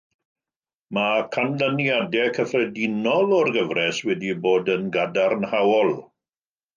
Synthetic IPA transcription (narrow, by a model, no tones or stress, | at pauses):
makʰanlənjadɛkʰəfrɛdɪnɔlɔrɡəvrɛswɛdiboːdənɡadarnhawɔlˠ